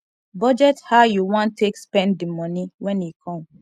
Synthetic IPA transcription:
bɔd͡ʒɛthaʊjuwɔ̃ntʰːekspɛ̃ndimɔniwɛ̃njikʰɔ̃m

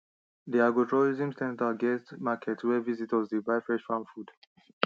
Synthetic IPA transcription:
diaɡɔtʰɹɔɹizĩmsɛ̃ntaɡɛstmakʰɛtʰwɛvizitɔzdibaɪfɹɛ̃ʃfãmfud̥

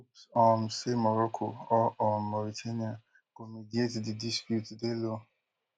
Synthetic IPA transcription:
upsɔnsemɔɾɔkʰoɔʔɔnmɔɾitʰania | komidietdidispjutdelo

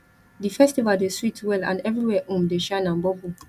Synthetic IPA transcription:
difɛstivadeswitwɛlã̰ndɛvɹiwɛʔũmdeʃãɪ̃nãnbɔbu

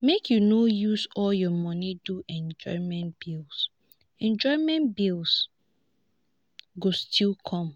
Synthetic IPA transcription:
mekʰjunojusɔljɔmɔniduʔɛ̃nd͡ʒɔ̰ɪmɛ̃ntb̥ils | ɛ̃nd͡ʒɔɪmɛ̃ntbilˠs | ɡostʰilkʰɔ̃m

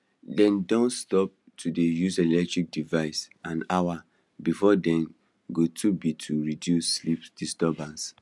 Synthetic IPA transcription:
dɛ̃ndɔ̃nstɔp̚ | tʰudejuselɛk̚tɹik̚divaɪsãnawa | bifɔdɛ̃n | ɡotʰubitʰuɹidjusːlipdistɔbãns

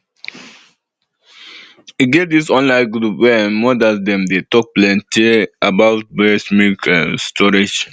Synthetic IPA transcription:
iɡet̚d̪isɔ̃nlãɪnɡɾupwɛnmɔdasd̪ɛ̃md̪etɔk̚plɛ̃nteʔabawt̚bɛsmikʰãstʰɔɾid͡ʒ

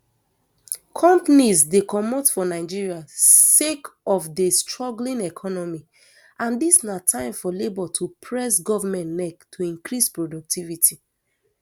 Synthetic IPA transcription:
kʰɔ̃mpanizdekʰɔmɔtfɔnaɪd͡ʒiɹiasekɔfdestɹɔɡlĩnɛkʰɔnɔmi | ʔãndisnatʰãɪ̃mfɔlebɔtʰupʰɹɛsɡɔvamɛ̃nnɛktʰuĩŋkɹispɹodɔk̚tʰivitʰi

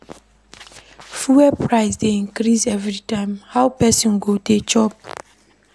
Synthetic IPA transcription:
fuwɛpɹaɪsdeĩŋkɾisɛvɾitãɪ̃mhawpɛsɔ̃nɡodet͡ʃɔp̚

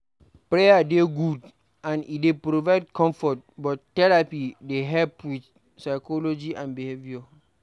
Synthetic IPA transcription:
pɹejadeɡud | ãnḭdepɾovaɪd̚kɔ̃mfɔt̚bɔttːɛɹapideɦɛlpwiθ | saɪkɔlɔd͡ʒiʔãnbiheviɔ

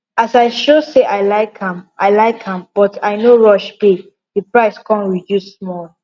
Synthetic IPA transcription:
asaɪʃoseʔaɪlaɪkãmʔaɪlaɪkʰhãmb̥ɔtʰaɪnoɹɔʃbe | dipɹaɪskʰɔ̃nɹidjusːmɔl

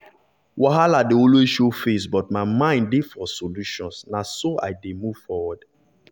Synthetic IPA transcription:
waɦaladeɔlweʃofesbɔtmaɪmãɪ̃ndefɔsoluʃɔ̃nsnasoa̰ɪdemuvfɔwɔd

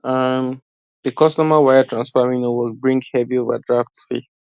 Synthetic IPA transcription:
am | ð̥əkʰɔstɔmawaɪatʰɹãnsfamĩŋnɔwɪlbɹĩŋɡhɛviovə̰dɹaftsfḭ

